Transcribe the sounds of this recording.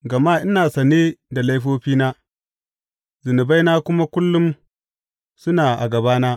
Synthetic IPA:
ɡɐ˨ma˦ʔɪ˦naː˨sɐ˨ne˦da˨la˦jɸoː˦ɸiː˦naː˦ | zʊ˨nʊ˨ba˦jnaː˦kʷʊ˦ma˦kʷʊ˦lːʊ˦m | sʊ˦naː˨ʔa̰˨ɡɐ˨baː˦naː˦

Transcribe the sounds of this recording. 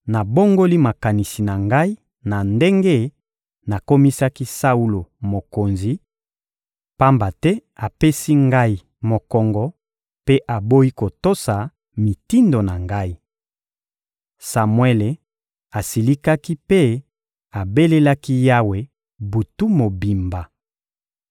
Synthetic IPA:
na˨bo˦ŋɡo˦li˦ma˨ka˨ni˨si˨na˨ŋɡa˦i˦ | na˨nde˦ŋɡe˦ | na˨ko˦mi˦sa˦ki˦sa˦u˦lo˨mo˨ko˨nzi˨ | pa˦mba˨tɛ˦a˨pe˦si˦ŋɡa˦i˨ | mo˨kɔ˨ŋɡɔ˦ | pe˦ʔa˨bo˦i˦ko˨to˦sa˨ | mi˨ti˦ndo˨na˨ŋɡa˦i˦ | sa˨mwɛ˦le˨ | a˨si˨li˦ka˦ki˦pe˦ | a˨be˦le˦la˦ki˦ja˦we˨ | bu˨tu˦mo˨bi˨mba˨

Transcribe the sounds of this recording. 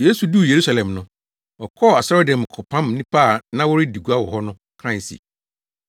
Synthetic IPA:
je˦su˨du˦˨je˨ɾu˦sa˨lɛ̃˨mnʊ̃˨ | ɔ˨kʰɔ˦˨a˨sɔ˦ɾɔ˦dã˨m˨kʰɔ˨pʰã˦mnĩ˦pʰa˦˨nã˦wʊ˦ɾɪ˦di˨ɡu˦a˦wɔ˨ɦɔ˦nʊ̃˦ | kʰã˦˨sḭ˨

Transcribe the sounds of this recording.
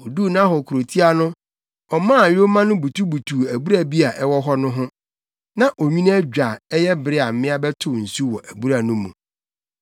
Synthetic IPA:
o˨duː˦˨nã˦ɦɔ˨kʰu˨ɾo˨tʰi˦a˨nʊ̃˦ | ɔ˨mã˦˨ɥᶣo˦mã˦nʊ̃˦bu˨tʰu˦bu˨tʰuː˨æ˨bu˦ɾa˨bi˦a˨ʔɛ˦wɔ˦ɦɔ˦nʊ̃˦ɦʊ̃˦ | nã˦ʔo˨ɲᶣĩ˦ñ˦æ˦d͡ʑᶣa˨ɛ˦jɛ˦bɪ˦ɾɪ˦a˨m̩˨˦mɪ̃˦a˦bɛ˦tʰʊ˨n̩˨su˦wɔ˨ʔæ˨bu˦ɾa˨nʊ̃˦mːũ˨

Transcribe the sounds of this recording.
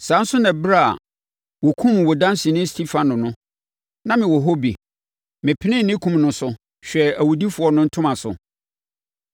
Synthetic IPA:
sã˨˦n̩˦sʊ˦nã˨bɾa˦˨a̰˨ | wɔ˨kʰũ˦m˨wɔ˨dã˦n˦sĩ˨nɪ̃˦stʰi˦fã˨nʊ̃˨nʊ̃˦ | nã˦mɪ̃˨wɔ˨ɦo˦bi˨ | mɪ̃˨pʰɪ˦nɪ̃˦˨nɪ̃˦kʰũ˦mnʊ̃˦sʊ˦ | ɕᶣɛ˨æ˨wu˨di˦fʊ˦ɔ˦nʊ̃˦n̩˦tʰʊ̃˦mã˨sʊ̰˨

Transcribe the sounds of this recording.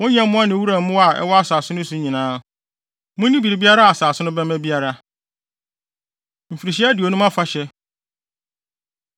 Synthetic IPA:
wʊ̃˦ɲ˦ã˦m˦mʊ̃˦a˦nɪ̃˨˦wu˦ɾa˨˦mʊ̃˦wa˨ʔɛ̰˦wɔ˦a˦saː˨sʊ̃˦nʊ̃˦sʊ̃˨˦ɲĩ˨nãː˨˦ | mʊ̃˦nĩ˦bi˨ɾi˨bi˦a˦ɾa˦a˨saː˨sʊ̃˦nʊ̃˦bɛ˦mæ̃˦bi˦a˦ɾa˦ | m̩˨fi˨ɾi˨ɕ̬i˦æ˦dɪ˨o˨nʊ̃˦mã˦fa˦ɕɛ˦

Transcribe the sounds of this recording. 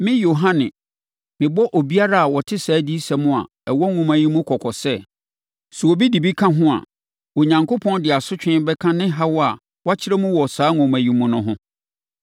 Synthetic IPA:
mɪ̃˦jo˨ɦã˦nɪ̰̃˨ | mɪ̃˨bɔ˦ʔo˨bi˦a˦ɾa˦a˨wɔ˨tʰɪ˦saː˨˦di˦sɛ˨mʊ̃˦˨a̰˨ | ɛ˨wɔ˦ŋʊ̃˨mæ̃˨jĩ˦mũ˦kʰɔ˨kʰɔ˨sɛ˦ | su˨o˨bi˦di˨bi˦kʰã˦ɦʊ̃˦a̰˨ | o˨ɲã˨ŋko˦pʰɔ̃˦ndɪ˨a˨sʊ˦t͡ɕᶣɪ̃˦bɛ˦kʰã˦nɪ̃˦ɦa˦wɔ˦a˨ | wa˦t͡ɕʰɪ˦ɾɛ˦mũ˦wɔ˨saː˨˦ŋʊ̃˨mæ̃˨jĩ˨mũ˨nʊ̃˦ɦʊ̃˦

